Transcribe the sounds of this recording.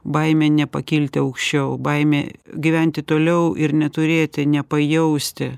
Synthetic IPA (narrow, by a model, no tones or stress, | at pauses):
bɐɪmʲeːnʲɛpɐkʲilʲt̪ʲɪɐʊkʃʲt͡ʃʲɛʊbɐɪmʲḛɡʲɪʋʲɛnʲt̪ʲɪt̪oːlʲɛʊʔɪɾnʲɛt̪ʊɾʲeːt̪ʲɪnʲɛpɐjɛʊsʲt̪ʲɪ